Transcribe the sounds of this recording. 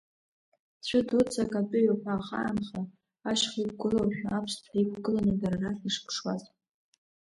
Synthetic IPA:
t͡ɕʷʰʊdut͡sʰʼakʼapʼʊɥapʰʼaχa̰ːmχa | aʃχik̚ʷʰɡɨlowʃᶣaapʰstʰaikʷʰɡɨlanɨdararatiʂkʰʼʂwaz

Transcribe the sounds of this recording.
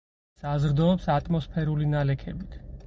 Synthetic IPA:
sazɾd̪ɔːpsat̪ʼmɔspʰɛɾulinalɛkʰɛbit̪ʰ

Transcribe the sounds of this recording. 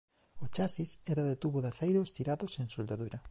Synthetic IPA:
ot͡ʃasisɛɾaðet̪uβoðaθejɾost̪iɾaðoseŋsold̪aðuɾɐ

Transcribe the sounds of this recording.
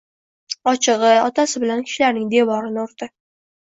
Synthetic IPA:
ɒt͡ʃʰɨʁɨɒt̪ʰasɪbɪlankʲʰɪ̥ʃɪlaɾnɪŋd̪e̞wɒɾɪnɪʊɾd̪ɪ

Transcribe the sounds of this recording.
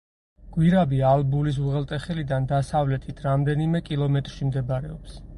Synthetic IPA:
ɡ̥wiɾabialbulis̬uʁɛlˠt̪ʼɛχɛlid̪and̪asavlɛt̪ʰit̪ʰɾamd̪ɛnimɛkʼilˠɔmɛt̪ʼɾʃimd̪ɛbaɾɛɔps

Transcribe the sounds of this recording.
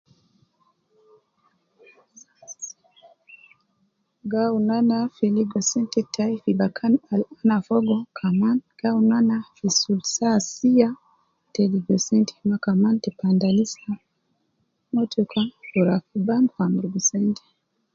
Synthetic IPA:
ɡaunanafiliɡɔsintitʰaifibakʰanalanafɔɡɔkʰamanɡ̥aunanafisulsasija | tɛliɡɔsɛnti̥makamantipandalisa | mɔtukʰauɾafibanfamɾɡusɛnti̥

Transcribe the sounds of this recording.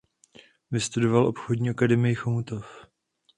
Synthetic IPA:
vɪst̪udo̞valʔo̞pxodɲiːʔakadɛmɪjɪxomt̪of

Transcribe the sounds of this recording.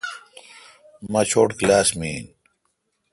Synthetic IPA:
mɐt͡ɕʰoːʈklaːsmiːn

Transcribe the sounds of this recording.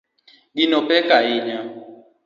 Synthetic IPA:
ɡinɔpʰɛkʼaiɲa

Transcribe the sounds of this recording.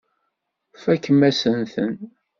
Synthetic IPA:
fækːəmæsənθən

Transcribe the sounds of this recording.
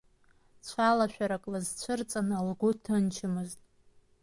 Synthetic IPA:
t͡ɕʷʰalaʃᶣaɾakʼlazt͡ɕʷʰɨrt͡sʼanalɡʷʊtʰant͡ʃʰɪmɨztʼ

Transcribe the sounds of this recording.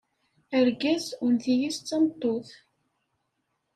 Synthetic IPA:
əɾɡæzunθijist͡sːɑmt̪ˤːoθ

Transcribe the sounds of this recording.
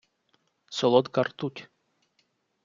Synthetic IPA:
sɔlˠɔd̪kɐrt̪utʲ

